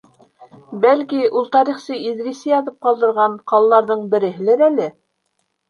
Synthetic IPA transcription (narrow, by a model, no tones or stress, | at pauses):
bælkiulˠt̪ɑɾiχsɤiðɾisɘjɑðɤp̚qɑlˠd̪ɤ̆ɾʁɑɴqɑlˠɑlˠɑɾðɤɴbɘ̆ɾɘ̆ɦɘ̆læɾælɘ